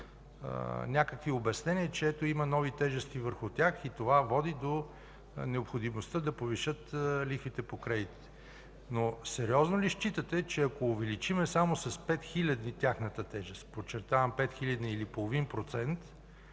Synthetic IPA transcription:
nʲakəkviobɛɐsnɛniət͡ʃɛɛt̪oimɐnɔvit̪ɛʒɛst̪ivəɾxʊt̪ʲaxit̪ovavɔd̪id̪o | nɛopxod̪imost̪əd̪ɐpoviʃɤt̪lifvit̪ɛpokɾɛd̪it̪i̥ɛ | nosɛɾiɔznoliʃt͡ʃit̪ət̪ɛt͡ʃɛɐkoːvɛlit͡ʃimɛsamosɐspɛt̪xilʲɐd̪nit̪ʲjaxnət̪ət̪ɛʒɛst̪pot͡ʃːɛɾt̪avɐmpɛt̪xilʲɐd̪niːlipolˠovinpɾot̪sɛnt̪

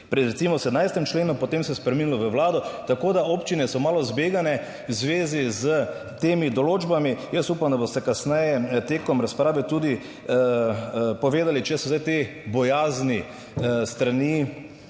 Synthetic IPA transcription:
pɾɛd̪ɾɛtsiːmɔsɛd̪najst̪ɛmt͡ʃleːnupɔt̪emsɛjspɾɛminilɔʋəʋlaːd̪ɔt̪akoːd̪aoːpt͡ʃinɛsɔmaːlɔzbeːɡanɛ | wzʋeːzizə | t̪eːmid̪ɔloːd͡ʒbamijəsuːpamd̪abost̪ɛkasnɛjɛt̪eːkɔmɾaspɾaːʋɛt̪uːd̪i | pɔʋeːd̪alit͡ʃɛsɔzajt̪ebɔjaːzni | st̪ɾani

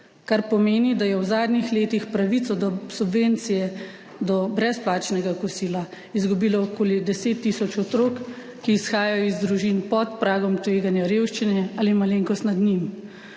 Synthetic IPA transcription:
kaɾpɔmeːnid̪ajɛwzaːd̪nixleːt̪ixpɾaʋit̪sɔd̪ɔsubʋeːnt̪sijɛ | d̪ɔbɾɛsplaːt͡ʃnɛɡakɔsiːla | izɡubiːlɔokoːlid̪ɛseːt̪ːisɔt͡ʃɔt̪ɾoːkː | iːsxaːjajɔizd̪ɾuʒinpɔt̪pɾaːɡɔmt̪ʋeːɡanjaɾeːwʃt͡ʃinɛaːlimaleŋkɔst̪nad̪nim

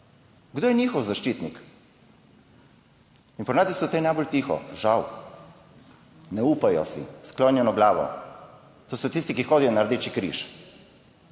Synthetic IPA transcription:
ɡd̪oːjɛnʲixɔwzaʃt͡ʃit̪nik | inpɔnaːt̪isɔt̪ɛjnajbolt̪iːxɔ̰ʒaw | nɛupajɔ̰sḭsklɔnjɛnɔɡlaːʋɔ̰ | t̪oːsɔt̪ist̪ikixoːd̪ijɔnaɾd̪eːt͡ʃikɾḭʃ

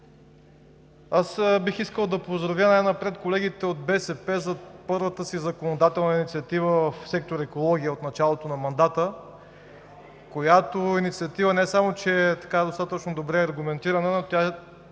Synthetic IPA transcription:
asbixiskəlˠd̪ɐpozd̪ɾɐvjənajnɐpɾɛt̪kolɛɡ̟it̪ɛod̪̚bɛsɛpɛzɐpɤɾvət̪əsizɐkonod̪at̪ɛlˠnəinit̪siɐt̪ivəvɐfsɛk̚t̪oɾɛkolˠɔɡʲiəot̪nɐt͡ʃalˠot̪onɐmɐnd̪at̪ə | kojat̪oinit̪siɐt̪ivənɛsamot͡ʃɛt̪ɐ̥kad̪ost̪at̪ət͡ʃnod̪obɾɛɐɾɡʊmɛnt̪iɾɐnənot̪ʲa

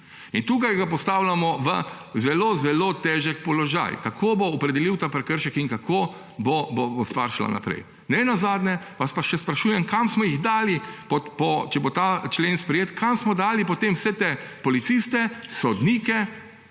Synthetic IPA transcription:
int̪uːkajɡap̬ɔst̪aːwlamɔʋə̰ | zɛloːzɛlot̪ɛːʒɛk̚pɔlɔʒa̰jkakʰoboɔpɾɛd̪ɛliwt̪apɾɛkəɾʃɛkiŋkakʰoː | bobobost̪ʋa̰ɾʃla̰na̰pɾɛ̰j | nɛnazaːd̪nɛ | ʋaspaʃɛspɾaʃuːjɛmkamsmɔjiɣd̪aːlipɔpɔt͡ʃɛbot̪aːt͡ʃleːnspɾɛjeːt̪kʰamsmɔd̪aːlipɔt̪emwsɛt̪epɔlit̪sist̪ɛsɔd̪niːkɛ

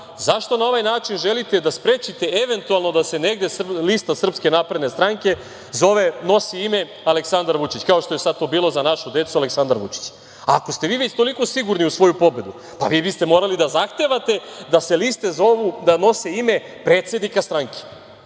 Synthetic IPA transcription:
zaʃt̪o̞nao̞ʋajnaːt͡ʃinʒe̞lit̪e̞d̪aspɾet͡ɕit̪e̞eʋe̞nt̪ualˠno̞d̪ase̞ne̞ɡd̪e̞slist̪asr̩pske̞napɾed̪nest̪ɾaŋke̞ | zo̞ʋe̞no̞siime̞ | aleksand̪aɾʋut͡ʃit͡ɕkaoʃt̪o̞jesad̪̚t̪o̞ːbiːlo̞zanaʃud̪e̞t̪sualeksand̪aɾʋṵt͡ʃi̥t͡ɕ | ako̞st̪eʋiːʋe̞t͡ɕt̪o̞liko̞siɡuɾniusʋo̞jupo̞be̞d̪u | pa̰ʋiːbist̪e̞mo̞ːɾalid̪azaxt̪e̞ʋat̪e̞d̪aselist̪ezoʋud̪ano̞seime̞pɾe̞ːt̪se̞d̪nikast̪ɾaŋkʰe̥

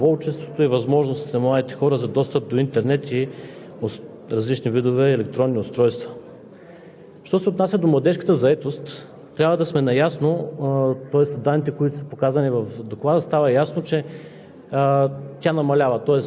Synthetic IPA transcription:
vɔlt͡ʃɛst̪vot̪oivɐzmɔʒnost̪nɐmlˠad̪it̪ɛ̥xɔɾəzɐd̪ɔst̪əp̚d̪oint̪ɛɾnɛt̪i | o | ɾɐzlit͡ʃnivid̪ovɛːlɛkt̪ɾɔnːiʊst̪ɾɔjst̪və̥ | ʃt̪ɔsɛoːt̪nasʲəd̪omlˠɐd̪ɛʃkə̥t̪əzɐɛt̪ost̪ː | ɾʲavəd̪ɐsmɛnɐjasno | t̪ɔɛst̪d̪anːit̪ɛkoit̪ʊ̥sə̥pokazvɐnivɐfd̪oklˠad̪əst̪avɐjasnot͡ʃɛ | t̪ʲanɐmɐlʲavɐt̪ɔɛs

